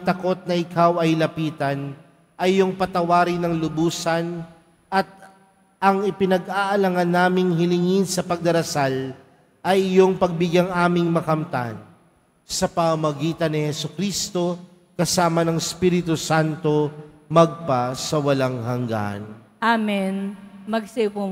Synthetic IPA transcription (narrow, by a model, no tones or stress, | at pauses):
t̪ɐko̞t̪̚nɐɪkʰawɐjlɐpiːt̪ɐn | ʔɐjjːoŋpɐt̪ɐwaːɾɪnɐŋlʊbuːsɐn | ʔɐt̪̚ | ʔɐŋɪpɪnɐɡaːʔɐlɐŋɐnːaːmɪŋhɪlɪŋɪnsɐpɐɡ̚d̪ɐɾɐsal | ʔɐjjoŋpɐɡ̚bɪɡjaŋʔaːmɪŋmɐkɐmt̪a̰n | sɐpɐmɐmɐɡiːt̪ɐnːɪhɛsʊkɾist̪o̞ | kɐsaːmɐnɐŋɪspiːɾɪt̪usant̪o̞ | mɐɡ̚pasɐwɐlaŋhɐŋɡa̰n | ʔaminmɐɡsɪpu